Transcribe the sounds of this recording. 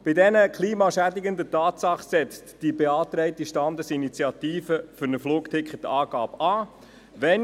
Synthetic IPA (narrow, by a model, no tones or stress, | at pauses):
b̥ɪdɛnəkʰliːmɑʃædiɡənd̪ətɑːtsɑχsɛt͡std̥ibeɑːt̪ɾɛɪtiʃtɑnd̪əsinit͡sjɑtiːfəfʏɾnəfluːktʰɪkχətɑːɡ̥ɑːbɑː | ʋɛn